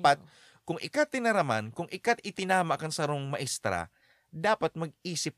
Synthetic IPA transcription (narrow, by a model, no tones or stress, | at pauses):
pat̪̚ | kʊŋʔɪ̰kat̪ːɪnɐɾɐma̰nkʊŋʔɪkat̪ɪt̪ɪnaːmaʔkɐŋsɐɾoŋmɐʔɪst̪ɾa̰ | d̪aːpat̪̚mɐɡ̚iːsɪp̚